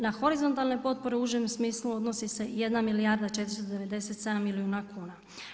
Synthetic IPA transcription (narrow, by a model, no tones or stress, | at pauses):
naxo̞ɾizo̞nt̪alˠne̞po̞t̪̚po̞ɾeuʒemsmiːsluo̞d̪no̞sise̞je̞d̪namilijaːɾd̪at͡ʃe̞t̪ɾist̪od̪e̞ʋe̞d̪e̞se̞t̪se̞d̪amːiliuːnakʰuːna